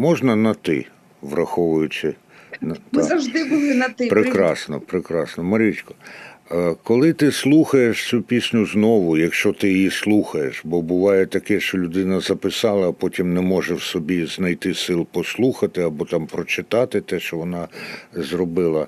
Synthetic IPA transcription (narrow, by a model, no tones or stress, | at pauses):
mɔʒnɐnɐt̪ɪ̰ | ʋɾɐxɔʋʊjʊt͡ʃɪ | ntmzɐʒd̪ɪbʊlˠɪnɐt̪ɪpɾɪkɾɑsnɔ̰pɾɪkɾɑsnɔmɐɾʲit͡ʃʲkɔ̥ | kɔlˠɪt̪ɪslˠuxɐjeʃt͡ssʲupʲisʲnʲʊznɔʋʊjɐkʃt͡ʃɔt̪ɪjjislˠuxɐjeʃbɔbʊʋɑjɛt̪ɐkɛʃt͡ʃɔlʲʊd̪ɪnɐzɐpɪsɑlˠɐːpɔtʲimnɛmɔʒɛwsɔbʲiznɐjt̪ɪsɪlˠpɔslˠuxɐt̪ɪɐbɔt̪ɑmpɾɔt͡ʃɪt̪ɑt̪ɪt̪ɛʃt͡ʃɔʋɔnɑzrɔbɪlˠɐ